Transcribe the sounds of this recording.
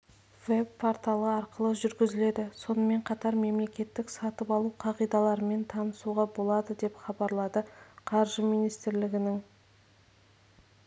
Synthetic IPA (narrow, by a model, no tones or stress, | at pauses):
ve̞bpʰːoɾt̪ɑlˠəɑɾqəlˠəʒʏɾɡʲɪzɪle̞d̪ɪso̞nəme̞ɴqʰɑt̪ɑɾme̞mle̞kʲe̞t̪ːɪksɑt̪əpɑlˠuqʰɑʁijd̪ɑlˠɑɾəme̞nt̪ʰɑnəsuʁɑbo̞lˠɑd̪əd̪e̞pχɑbɑɾlˠɑd̪əqʰɑɾʒəmijnijst̪ɪɾlɪɡʲɪnɪŋ